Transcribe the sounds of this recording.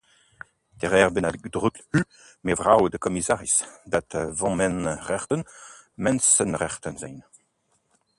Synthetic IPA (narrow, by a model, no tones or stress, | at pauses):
t̪ɛʁɛːʁbɛnaɡd̪ʁyklhy | mevʁawdəkɔmisaːʁisd̪at̪vɑ̃mɛnʁɛʁt̪ən | mɛ̃nsənʁɛʁt̪ənzɛn